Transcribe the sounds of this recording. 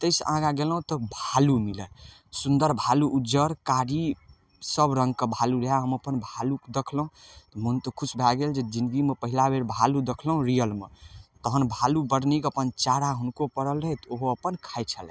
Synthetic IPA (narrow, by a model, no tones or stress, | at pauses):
t̪əjsʔãɡaɡelɦũt̪ɔbʱalumilə | sund̪əɾbʱaluʔːd͡ʒəɾkaɽi | səbɾə̃ŋɡkəbʱaluɾeɦaɦəməpənbʱalukd̪ekʰləɦũt̪ɔmunt̪kʰusʰbʱaɡeld͡ʒed͡ʒind̪ɡimepəɦilabʱeɾbʱalud̪ekʰləɦũɾijəlmet̪əɦənbʱalubəɽnikəpənt͡ʃaɽaɦunkopəɽələɦɛt̪oɦoəpənkʰajt͡ʃʰəlɛ